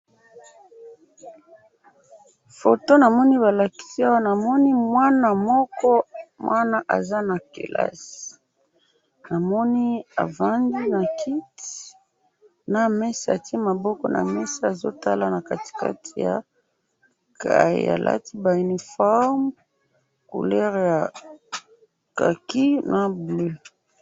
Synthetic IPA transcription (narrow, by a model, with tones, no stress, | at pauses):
fo˨to˦na˨mɔ˦ni˦βa˨la˨ki̥˦si˦a˦wa˦na˨mɔ˦ni˦mwa˦na˨mɔ˦kɔ˦mwʔa˦na˦ʔa̰˨za˦na˨kḛ˨la̰˦si̥˨ | na˨mɔ˦ni˦a̰˨va˦ndi˦na˨kʰi˦ti̥ | na˦mɛ˦sa˦a˨ti˦ma˨bɔ˦kɔ˦na̰˨mɛ˦sa˦a˨zo̰˦ta˦la˦na˨ka˨ti̥˨ka̰˦tʰi˨ja˨ | kʰa˨ḭ˨a̰˨lʔa̰˦ti˦ba˨i˨ni˨fa˦m | kṵ˨lɛ˦ʁja˨ | ka˨ki˦na˨blø˦